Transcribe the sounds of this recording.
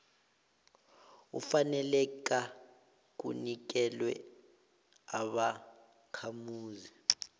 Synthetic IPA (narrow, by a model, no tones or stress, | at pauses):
ufanɛlɛk̬a | k̬ṵnik̬ɛlwɛ | aɓa | kʰamuːzi